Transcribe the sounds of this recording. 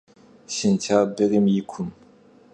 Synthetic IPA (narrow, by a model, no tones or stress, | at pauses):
ɕint͡ɕʰabeɣimjikʰum